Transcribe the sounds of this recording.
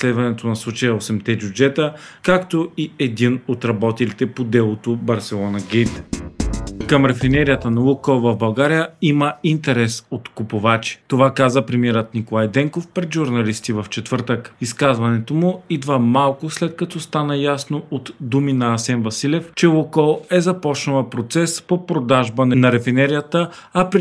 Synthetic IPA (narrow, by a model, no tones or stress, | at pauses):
slɛd̪vɐnɛt̪onɐslˠut͡ʃəjəosɛmt̪ɛbʲjʊd͡ʒɛt̪əkakt̪oiɛd̪inot̪ɾɐbɔt̪ɛlit̪ɛpod̪ɛlˠot̪obɐɾsɛlˠɔnɐɡʲɛjt̪ | kəmɾɛfinɛɾijət̪ənɐukovɐvbɐlˠɡaɾijəiməint̪ɛɾɛsot̪kʊpʊvat͡ʃi̥t̪ovakazəpɾɛmiɛɾət̪nikolˠajd̪ɛŋkofpɾɛd̪ʒʊɾnɐlist̪ivɐft͡ʃɛt̪vɤɾt̪əkiskazvɐnɛt̪omʊid̪vəmalˠkʊslɛt̪kɐt̪ɔst̪anəjasnoot̪d̪uminɐːsɛnvɐsilʲɛft͡ʃɛlokɔlˠɛzɐpɔt͡ʃnɐlˠɐpɾot̪sɛspopɾod̪aʒbənɐnɐɾɛfinɛɾijət̪əɐpɾ